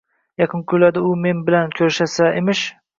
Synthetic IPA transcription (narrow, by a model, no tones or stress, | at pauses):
jɑqʰɨnkʲʰolad̪ɪʊme̞nbɪlankʲʰɵɾʃasaʔemɪʃ